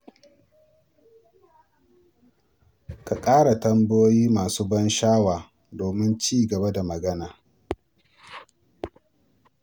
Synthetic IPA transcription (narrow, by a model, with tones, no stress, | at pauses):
ka˨kʼaː˦ɽa˨tɐ˦mbʊ˦joː˦jiː˦maː˨suː˦bɐ˦nʃaː˦waː˨ | doː˨mɪ˦nt͡ʃiː˦˨ɡɐ˨ba˦da˨mɐ˨ɡɐ˦naː˨